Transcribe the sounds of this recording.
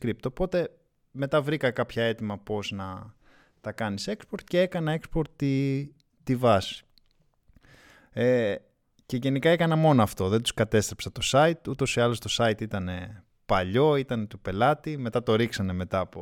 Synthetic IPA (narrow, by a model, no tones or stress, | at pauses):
kɾip̚t̪o̞po̞t̪e̞ | me̞t̪ɐvɾikɐkɐpçɐe̞t̪imɐpo̞znɐ | t̪ɐkɐnise̞kspoɾt̪cee̞kɐnɐe̞kspo̞ɾt̪ːi | t̪ivɐs | e | ce̞ʝe̞nikɐe̞kɐnɐmo̞noɐft̪o̞ðe̞nd̪u̥skɐt̪e̞st̪ɾepsɐt̪o̞sɐit̪ut̪o̞siɐlo̞st̪o̞sɐit̪it̪ɐne̞ | pɐʎo̞it̪ɐne̞t̪upe̞lɐt̪ime̞t̪ɐt̪o̞ɾiksɐne̞me̞t̪ɐpo